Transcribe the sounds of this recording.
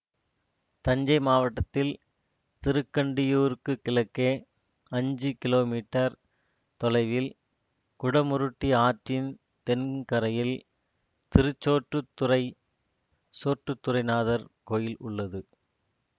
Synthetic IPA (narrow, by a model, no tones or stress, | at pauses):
t̪ɐɲd͡ʒɐɪmaːʋɐʈːɐt̪ːɪl | t̪ɪɾɯkːɐɳɖɪjuːɾɯkːɯkɪlɐkːeː | ɐɲd͡ʒɯkɪloːmiːʈːɐɾ | t̪ɔlɐɪʋɪl | kʊɽɐmʊɾɯʈːiaːʈrɪn | t̪ɛnkɐɾɐjɪl | t̪ɪɾɯt͡ʃːoːʈrɯt̪ːʊɾɐɪ | soːʈrɯt̪ːʊɾɐɪnaːðɐɾkoːjɪlʊɭːɐðɯ